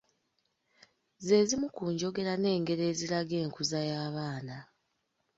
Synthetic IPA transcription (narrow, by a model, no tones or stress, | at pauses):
ze̞zimukuːɲɟo̞ɡe̞ɾane̞ːŋɡe̞ɾe̞ːziɾaɡe̞ːŋkuzajaːβaːna